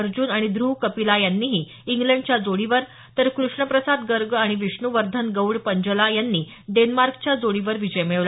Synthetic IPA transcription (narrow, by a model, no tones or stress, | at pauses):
əɾd͡ʑuːnaɽ̃id̪ɾuɦkəpilajanːiːɦiː | iŋɡlẽɳɖt͡ɕjad͡zoɽiʋəɾ | t̪əɾkɾuʂɳəpɾəsad̪ɡəɾɡaɽ̃iʋiʂɳuʋəɾd̪ʱənɡəwɽpəɲd͡ʑəlajanːiː | ɖenmaɾkt͡ɕjad͡zoɽiʋəɾʋid͡ʑəjmeɭʋla